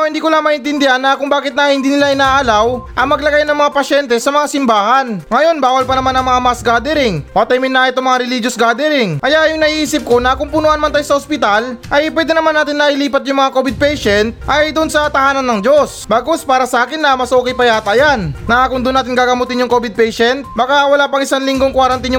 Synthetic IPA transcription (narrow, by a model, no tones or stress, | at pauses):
hɪnd̪iːkʊlamɐɪnt̪ɪnd̪ɪhanːɐkʊŋbaːkɪt̪̚nɐhɪnd̪iːnɪlaʔɪnaːʔɐlawʔɐŋmɐɡlɐɡajnɐŋmɐŋapɐʃɛnt̪ɛsɐmɐŋasɪmbaːhɐnŋɐjo̞nbaːwɐlpɐnɐmanɐŋmɐŋamasɡad̪ɛɾɪŋpɐt̪ɐjmɪnːɐɪt̪oŋmɐŋaɾɛlid͡ʒosɡaːd̪ɛɾɪŋkɐjaʔjʊŋnɐʔiːʔiːsɪp̚ko̞nɐkʊŋpʊnoʔɐnmɐnt̪ajsɐospɪt̪alʔɐjpwɛːd̪ɛnɐmanːaːt̪ɪnːɐʔɪliːpɐt̪̚jʊŋmɐŋakobɪd̪̚pɛjʃɛnt̪ʔɐjd̪ʊnsɐt̪ɐhaːnɐnːɐŋd͡ʒo̞sbaːɡospaːɾɐsɐʔaːkɪnːɐmɐsʔoːkɛjpɐjaːt̪ajannɐakʊŋd̪ʊnaːt̪ɪŋɡaːɡɐmoːt̪ɪnjʊŋko̞bɪd̪̚pɛjʃɛnt̪̚bɐkawɐlaːpɐŋɪsanlɪŋɡo̞ŋkwaɾɐnt̪injʊ